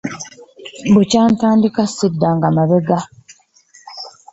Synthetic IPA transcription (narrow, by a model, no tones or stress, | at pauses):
bucaːntaːndikasidːaŋɡamaβeɡa